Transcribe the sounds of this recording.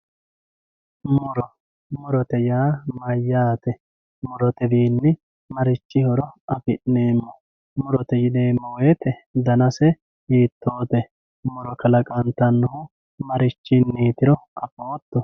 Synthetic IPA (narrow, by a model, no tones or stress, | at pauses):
mʊɾɔ | mʊɾɔt̪ɛjaːmɐjːaːt̪ɛ | mʊɾɔt̪ɛbiːnːɪ | mɐɾɪt͡ʃːɪhɔɾɔɐpɪʔneːmːɔ | mʊɾɔt̪ɛjɪneːmːɔweːt̪ɛd̪ɐnɐsɛ | iːt̪ːo̞ːt̪ɛ | mʊɾɔkɐlɐkʼɐnt̪ɐnːʊhʊ | mɐɾɪt͡ʃːɪnːiːt̪ɪɾɔɐpoːt̪ːɔ